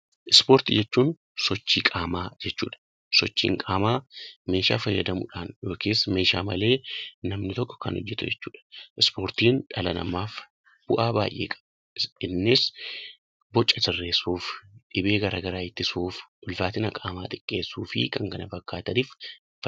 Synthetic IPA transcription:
ʔɪspoːɾt̪ɪd͡ʒɛt͡ʃːuːn | sɔt͡ʃːiːkʼaːmaːd͡ʒɛt͡ʃːṵːᶑɐ̥ | sɔt͡ʃːḭːŋkʼaːmaːme̞ːʃa̰ːfɐjːɐd̪ɐmṵːᶑaːnjo̞ːkeːsːme̞ːʃaːmɐle̞ːnɐmnɪt̪ɔkːɔ̥kɐ̰nɔ̰d͡ʒːɛt̪ʊ̰d͡ʒɛt͡ʃːuːᶑɐ̥ʔɪspo̞ːɾt̪iːnᶑɐlɐnɐ̰maːf | b̥ʊʔaːba̰ːjʔeːkʼɐ̥b | ɪnːɪs | bɔt͡ʃʼːɐsɪrːe̞ːsuːfᶑɪbe̞ːɡɐɾaːɡɐɾaːɪt̪ːɪsuːfʔʊlfaːt̪ɪnɐkʼaːmaːt̪ʼɪkʼːe̞ːsːuːfɪ̰kɐŋɡɐnɐfɐkːaːt̪ɐniːf | f

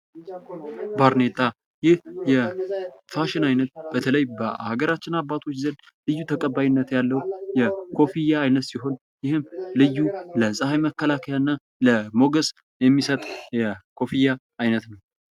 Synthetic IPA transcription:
baɾne̞t̪ʼːa | jɪhjɛfaʃɪnajnət̪̚b̥ət̪ʰələjbəa̰ɡəɾat͡ʃːɪnabːat̪ʰo̞t͡ʃːzən | lɨjːut̪ʰəkʼəbːajɪnːət̪jalːəwjɛkʰo̞fijaːjnət̪siɦo̞n | jɪhɨmlɨjːuləsʼəhajməkːəlakʰəjanːa | ləmo̞ɡəsʼ | jɛmːisət̪ʼjɛkʰo̞fijaː | jnət̪nəw

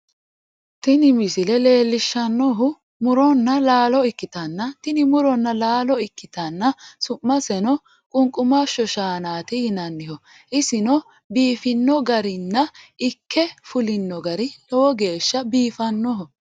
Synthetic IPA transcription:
t̪ɪnɪmɪsɪlɛle̞ːlːɪʃːɐnːɔɦʊ | mʊɾɔnːɐlaːlɔɪkːɪt̪ɐnːɐt̪ɪnɪmʊɾɔnːɐlaːlɔɪkːɪt̪ɐnːɐsʊmːɐsɛnɔ | kʼʊŋkʼːʊmaʃːɔʃaːnaːt̪ɪhɪnɐnːɪhɔ | ʔɪsɪnɔ | biːfɪnːɔɡɐɾɪnːɐɪkːɛfʊlɪnːɔɡɐɾɪlɔwɔɡe̞ːʃːɐbiːfɐnːɔɦʊ

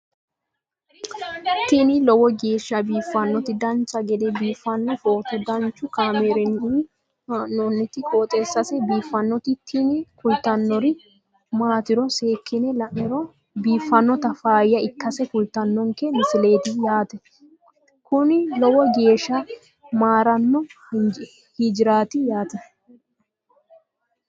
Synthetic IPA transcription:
t̪ɪnɪlɔwɔɡeːʃːɐbiːfːɐnːɔt̪ɪd̪ɐnt͡ʃːɐɡɛd̪ɛbiːfːɐnːɔfoːt̪ʊd̪ɐnt͡ʃːʊkaːmeɾɛn | nɔnːɪt̪ɪkoːt̪ʼesːɐsɛbiːfːɐnːɔt̪ɪt̪ʰɪnɪkʊlt̪ːɐnːɔɾɪ | maːt̪ɪɾɔse̞ːkːɪnɛlɐʔɪɾɔ | biːfːɐnːɔt̪ɐfaːjːɐɪkːɐsɛkʊlt̪ɐnːɔŋkɛmɪsɪle̞ːt̪ɪjaːt̪ɛ | kʊnɪlɔwɔɡe̞ːʃɐ | maːɾɐnːɔ | hid͡ʒɪɾaːt̪ɪjaːt̪ɛ

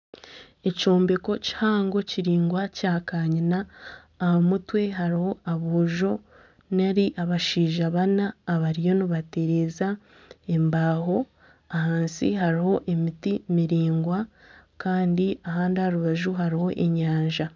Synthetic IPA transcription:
e̞coːmbeko̞ci̥haːŋɡo̞ciɾiːŋɡwacaːkaːɲinaː | hamutwe̞ɦaɾiho̞aβoːʒo̞ | naɾiʔaβaʃiːʒaβanaːβaɾijo̞niβate̞ɾe̞za | e̞mbaːɦo̞ | ahaːnsḭɦaɾiho̞ʔe̞mitimiɾiːŋɡwakaːndiaɦaːndihaɾuβaʒuɦaɾiho̞ʔe̞ɲaːɲʒa

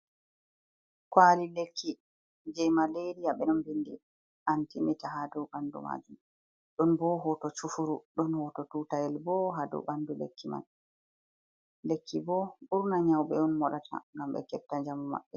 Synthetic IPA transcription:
kwalilekʰːi | d͡ʒɛjmaleɾijaɓɛnɔnbindi | ʔantimitaɦadɔwɓandṵma̰ːd͡ʒum | ɗɔnbɔɦɔtɔt͡ʃufuɾuɗɔnhɔtɔtuːtajɛlbɔɦadɔ̰ɓandulḛkːima̰n | lekːibɔɓuɾnaɲawɓɛɔnmɔɗatʰa̰ŋɡamɓɛ̰kɛf̚tːad͡ʒamɔma̰ɓːɛ

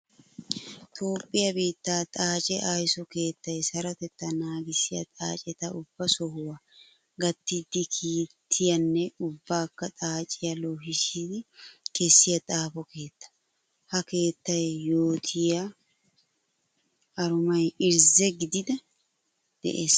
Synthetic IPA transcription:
t̪ʰo̞ːpʼːɪjɐbiːt̪ːaːt̪ʼaːt͡ʃʼɛʔaːjsɔke̞ːt̪ːɐjsɐɾɐt̪ɛt̪ːɐnaːɡɪsɪjɐ̰t̪ʼaːt͡ʃʼɛt̪ɐʔʊb̥ːɐsɔhʊwa | ɡɐt̪ːɪd̪ːɪkʰiːt̪ʰːɪjɐnːɛʊbːaːkːɐt̪ʼaːt͡ʃʼɪjɐloːɦɪʃid̪ɪkʰɛsːɪjɐt̪ʼaːpɔke̞ːt̪ːɐ̥ | hɐke̞ːt̪ːɐjjo̞ːt̪ʰɪja | ɾʊmɐjɪɾzɛɡɪd̪ɪd̪ɐ | d̪̥ɛ̰ʔḛːs

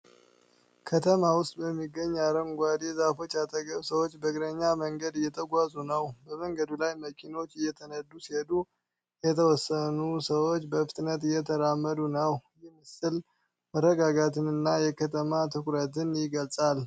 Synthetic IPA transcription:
kʰət̪ʰəmawʊst̪ʼbəmːiɡːəɲːaɾəŋɡʷad̪ezafo̞t͡ʃːjat̪ʰəɡəβsəwot͡ʃːbəɡɾəɲːaməŋɡəd̪jɛt̪ʰəɡʷazunəwbəməŋɡəd̪ulajməkʰino̞t͡ʃːɪjːɛt̪ʰənəd̪usied̪u | jɛt̪ʰəwɔsːənusəwo̞t͡ʃːbəfɨ̥t̪ʼnət̪jɛt̪ʰəɾamːəd̪unəwjɪhmɨsɨl | mərːəɡaɡat̪ʰɨnɨnːajɛkʰət̪ʰəmat̪ʰɨkuɾət̪ɨnjɪɡəlsʼal

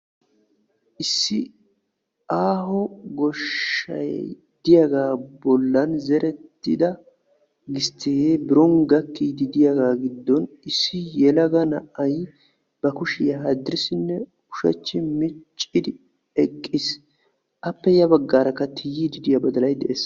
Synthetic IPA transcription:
ʔɪsːɪ | aːɦɔɡɔʃɐ̰j̰ | d̪̥ɪjaɡaːbɔlːɐnzɛɾɛt̪ːɪ̰d̪ɐ | ɡɪst̪ːɪɡebɪɾɔŋɡɐkːid̪ɪd̪ɪjaɡaːɡɪd̪ːɔnɪsːɪjɛlɐɡɐnɐʔɐj | b̥ɐkʊʃɪjɐɦɐd̪ɪɾɪsɪnːɛ | ʊʃɐ̰t͡ʃːɪmɪt͡ʃʼːɪd̪ɪ | ɛkʼːɪs | ʔɐpːɛjɐbɐɡːaːɾɐkːɐt̪ʰɪjːid̪ɪd̪ɪjɐbɐd̪ɐlɐjd̪ɛʔeːs

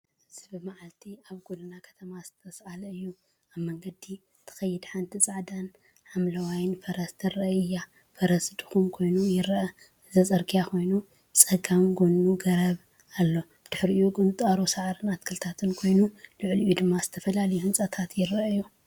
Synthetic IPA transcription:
ɨz̥ibɨmaʕalt̪ʰiaβɡulɨnakʰɐ̥t̪ʰɐmazɨt̪ʰɐsalɐɨjːu | aβmɐŋɡɐd̪i | t̪ʰɐ̥xɐjːɪd̪ħant̪ʰit͡sʼaʕd̪an | ħamlɐwajnfɐɾɐst̪ʰɨɾɐɨjːa | fɐɾɐsd̪ɨ̥xumkʰo̞jnujɪɾʔɐ | ɨzɐt͡sʼɐɾkʰʼijakʰo̞jnu | t͡sʼɐɡamɡonuɡɐɾɐβ | alːo̞ | d̪̥ɨħɨɾɨjuɡʼɨnt̪ʼaɾusaʕɾɨnat̪kʰɨlt̪ʰat̪ʰɨnkʰo̞jnuluʕliʔjud̪ɨmːaz̥ɨt̪ʰɐfɐlalɐjuhɨnt͡sʼɐt̪ʰat̪jɪɾɐɐju

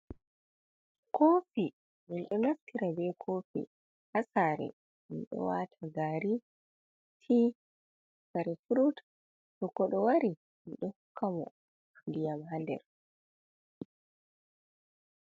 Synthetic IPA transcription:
kʰoːfi | minɗɔnaftiɾabɛkʰofḭ | hasaːɾɛ̰ | minɗɔ̰watʰaɡaɾi | tʰi | saɾɛfuɾutḁ | ɗɔkːɔɗɔwaɾi | iɗɔhukːamɔ̰ | tundijamhandɛ̰ɾ

